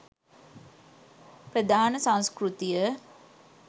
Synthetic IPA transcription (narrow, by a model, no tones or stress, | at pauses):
prəd̪aːnəsãnskrut̪ijə